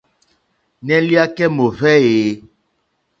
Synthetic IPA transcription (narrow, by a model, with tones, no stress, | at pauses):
nɛ˦li˦a˦kɛ˦mo˨vɛ˦e˨˦